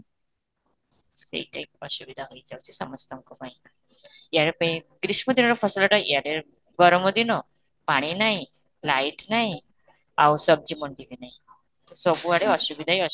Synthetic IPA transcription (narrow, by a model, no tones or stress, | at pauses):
sḛt̪ek̚ə̰ɕubid̪ʱaɦoid͡zawt͡ɕisəməst̪ʰamkɔpaĩ | jaɽepə̃iɡɾiɕməd̪ʱinɔɾefʰəsləʈaijaɽe | ɡɔɾɔməd̪ʱinɔ | paɽ̃inaɦi | laiʈnaɦi | awsəb̚d͡ʑiːməɳʈiʋinaɦi | t̪sɔbuaɽeəɕubid̪ʱaɦiə